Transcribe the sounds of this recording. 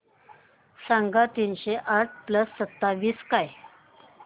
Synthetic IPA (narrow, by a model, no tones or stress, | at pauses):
sãŋɡat̪iːnɕeʔaʈ̚ʰpləsːət̪ːaʋiːskaj